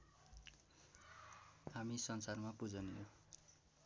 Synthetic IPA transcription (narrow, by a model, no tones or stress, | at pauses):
hamisʌnsarmapud͡zʌnijo